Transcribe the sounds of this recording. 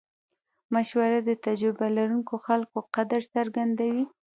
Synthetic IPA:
maʃwaɾad̪ət̪ad͡ʒɾɪbalaɾuŋkoxalkoqad̪aɾsaɾɡand̪awi

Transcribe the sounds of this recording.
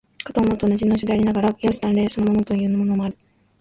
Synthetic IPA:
kḁt̪oːmot̪ːoːnad͡ʑinoɕod̪e̞aɾinaɡaɾajʲasi̥t̪ãnɾe̞ːsono̞mo̞no̞t̪o̞jɯ̟ːmmo̞no̞mo̞aɾɯ̟

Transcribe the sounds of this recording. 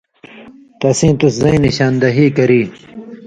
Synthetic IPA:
t̪ɐsĩːt̪uszɐ̃ĩniɕaːnd̪ɐɦiːkɐɾiː

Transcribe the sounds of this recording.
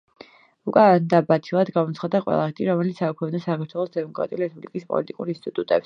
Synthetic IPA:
ukʼand̪abat̪ʰilˠad̪ɡamɔt̪sʰχad̪aqʼwɛ̰lˠaɾt̪ʰʼiɾɔmɛlit̪ssakʰwɛvnasakʰaɾt̪ʰwɛlˠɔsd̪ɛmɔkʼɾa̰t̪ʼiuliɾɛspublikʼispʼɔ̰lit̪ʼikʼuɾinst̪ʼit̪ʼut̪ʼɛps

